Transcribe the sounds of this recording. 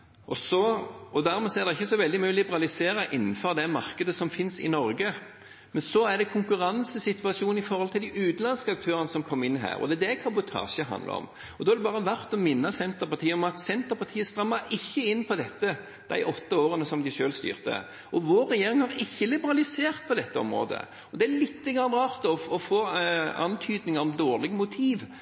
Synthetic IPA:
ʔɔsɔɔd̪æɾmɛsɔæʁd̪ɛɪçːəsɔʋɛld̪ɪmʉːlɪbəɾɑlɪseːɾəʔɪn̩ːfɔɾd̪ɛmɑʁkəd̪əsɔmfɪnsɪ̰nɔɾɡə | mɛnsɔæd̪ɛkʰʊŋkʉɾɑnsəsɪt̪ʋɑsɪuːnɪfɔɾhɔlt̪ɪld̪ɪʔʉːt̪nlɑnskəɑk̚t̪ʰøːɾənəsɔmkʰɔmːɪnːɦæ̰ːɾɔ̰d̪ɛd̪ɛkʰɑbʊt̪ʰɑ̰ːʃəɦɑ̰nd̪lə̰ɔ̰m | ɔd̪ɔːæd̪ɛbɑːʁəʋæɾt̪ɔmɪnːɑsɛnt̪əɾpɑʁt̪ʰiːəɔmɑt̪sɛnt̪əpɑʁt̪ʰiːəst̪ɾɑmːəɾɪçːəɪnːpʰɔd̪ɛt̪ːə | d̪̥æ̰ɪʔɔt̪ːəoːɾənəsɔmd̪ɪʃøːlst̪y̰ːʁt̪ə̰ | ɔʋoːɾːɛjeːɾɪŋhɑɾɪçːəlɪbəɾɑlɪseːɾt̪̚pʰɔd̪ɛt̪ːəɔ̰mɾo̰ːd̪ə̰ | ɔd̪ɛælɪt̪ːəɡɾɑnːəɾɑːʁt̪ɔɔfoːɑ̰nt̪ʰyːd̪nɪŋəɾɔmd̪oːʁlɪɡəmʊt̪ʰiːʋ

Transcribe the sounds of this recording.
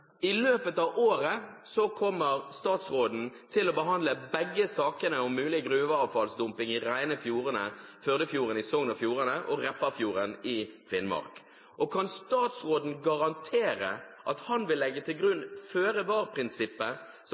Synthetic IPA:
ɪløːpət̪ɑːʋoːɾəsɔkʰɔmːəɾst̪ɑːt̪sʁoːd̪n̩t̪ʰɪlɔbəɦɑnd̪ləbɛɡːəsɑːkənəɔmmʉːlɪɡɾʉːʋəɑːʋfɑlsd̪ʊmpɪŋɪɾæɪnəfjuːʁənəføːʁd̪əfjuːɾənɪsɔŋnɑfjuːʁənəʔɔʁɛpːəfjuːɾənɪfɪnmɑ̰ɾk | ʔɔkʰɑnst̪ɑːt̪sʁoːd̪n̩ɡɑʁɑnt̪ʰeːɾə̰ʔɑt̪hɑnʋɪlːɛɡːət̪ʰɪlɡʁʉnføːɾəʋɑːʁpʰɾɪnsɪpːə | s

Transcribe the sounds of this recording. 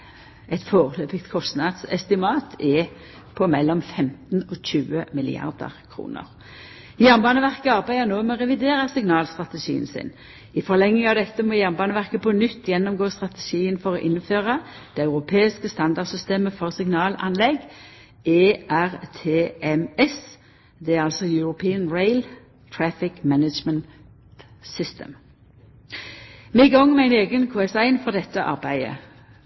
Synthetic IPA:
ɛt̪foːʁəløːpɪkt̪kʰɔst̪nɑd̪sɛst̪ɪmɑːt̪ʰɛ | pʰɔmɛlːɔmfɛmt̪n̩ɔçʉːəmɪlɪ̰ɑ̰ʁd̪ə̰ʁkʰɾṵːnə̰ʁ | jæʁnbɑːnəʋæʁkəɑʁbæɪənoːmɛɔʁɛʋɪd̪eːʁəsɪŋnɑːlst̪ʁɑt̪ɛʃḭːə̰nsɪ̰n | ɪfɔʁlɛŋːɪŋɑʋd̪ɛt̪ːəmɔjæʁnbɑːnəʋæʁkəpʰɔnʏt̪ːjɛnːɔmɡoːst̪ʁɑt̪əʃiːənfɔʁɔʔɪnːføːʁɑd̪̥ɛːɑʉʁʊpʰeːɪskəst̪ɑnd̪ɑʁd̪sʏst̪eːməfɔʁsɪŋnɑːlɑnlɛɡ | ʔeːʔæʁt̪ʰeːʔɛmɛs | d̪ɛæʁɑlsɔjʉɾʊpʰiːənɹeɪl | t̪ʰɹæfɪkmænəd͡ʒmənt | t̪sʏst̪ə̰m | mɛɪɡɔŋːmɛæɪneːɡənkʰoːɛsæɪnfɔʁd̪ɛt̪ːəʔɑ̰ʁbæɪə̰

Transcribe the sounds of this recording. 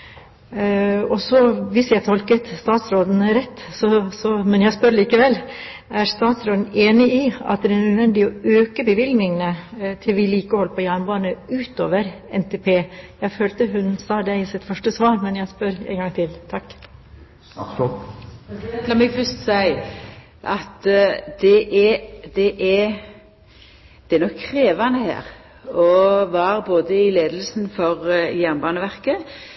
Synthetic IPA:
ɔsɔʋɪsjæɪt̪ʰɔlkət̪st̪ɑːt̪sɾoːd̪n̩ɾɛt̪ːsɔsɔmɛnjæɪspœɾliːkəʋɛlː | æɾst̪ɑːt̪sɾoːd̪n̩eːnɪɪɑ̰t̪̚d̪ɛæd̪ænœd̪ʋɛnd̪ɪɔøːkəbəʋɪlɡnɪŋnət̪ʰɪlʋɪliːkəɔhɔlːəpʰɔjæːɳbɑːnəʉːt̪o̰ːʋəɾɛnt̪ʰeːpʰeːjæɪføːlt̪əɦʉnsɑːd̪æɪsɪt̪fœʂʈəsʋɑːɾmɛnjæɪspœɾɛ̰ŋɡɑŋt̪ʰɪlt̪ʰɑkː | ɑmɛɡfœst̪sæɪ | ʔɑt̪d̪̥ɛʔɛd̪ɛʔɛ | d̪̥ɛæɾnɔkʰːɾeːʋɑnəhæ̰ːʁ | ɔʋɑʁboːd̪əɪleːd̪əl̩sn̩fɔʁjæʁnbɑːnəʋæʁkə

